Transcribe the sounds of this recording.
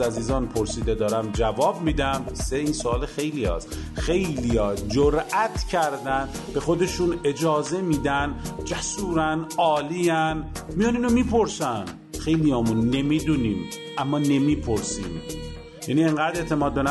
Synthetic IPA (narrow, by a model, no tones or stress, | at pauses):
æziːzɒːnpʰo̞ɾsiːd̪ed̪ɒːɾæmd͡ʒævɒːbmiːd̪æmseiːnsoɒːlexe̞jlijɒ̰ːs | xe̞jlijɒːd͡ʒoɾʔæt̪ʰcʰæɾd̪ænbe̞xo̞d̪e̞ʃuːne̞d͡ʒɒːze̞miːd̪ænd͡ʒæsuːɾænɒːliːænmijɒːniːnomiːpʰo̞ɾsæn | xe̞jlijɒːmunːe̞miːd̪uːniːm | ʔæmːɒːne̞miːpʰo̞ɾsiːm | jænieŋɡæːd̪e̞t̪ʰe̞mɒːd̪̚ben